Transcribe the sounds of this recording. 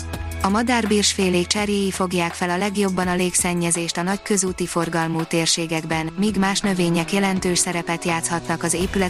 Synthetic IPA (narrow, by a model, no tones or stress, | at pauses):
ɒmɒd̪aːrbiːrʃfeːleːk̚t͡ʃɛrjeːjifo̞ɡjaːkfɛlɒlɛɡjo̞bːɒnɒleːksɛɲːɛzeːʃt̪ɒnɒckø̞zuːt̪ifo̞rɡɒlmoːt̪eːrʃeːɡɛɡbɛnmiːɡmaːʃnø̞veːɲɛkjɛlɛnt̪øːʃsɛɾɛpɛt̪jaːt̪shɒt̪nɒkɒzeːpylɛ